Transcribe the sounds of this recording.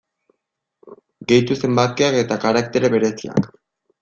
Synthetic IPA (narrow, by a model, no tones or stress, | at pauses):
ɡe̞jt̪use̞mbat̪̚keake̞t̪akaɾak̚t̪e̞ɾeβe̞ɾe̞sia̰k